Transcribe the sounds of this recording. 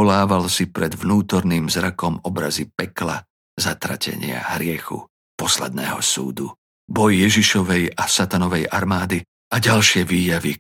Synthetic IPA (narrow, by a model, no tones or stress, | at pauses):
ɔlaːʋalsipɾɛd̪vnuːt̪ɔɾniːmzɾakɔmɔbɾazipɛkla̰ | zat̪ɾa̰cɛ̰ɲɪa̰ɦɾɪɛxṵ | pɔslɛ̰d̪̚nɛ̰ːɦɔsṵːd̪u | bɔjːɛʒiʃɔʋɛjasat̪anɔʋɛjaɾmaːd̪i | ʔaɟalʃɪɛʋiːjaʋi